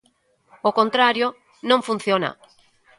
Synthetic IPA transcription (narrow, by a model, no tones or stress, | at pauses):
okont̪ɾaɾjo | nõŋfun̟θjona̰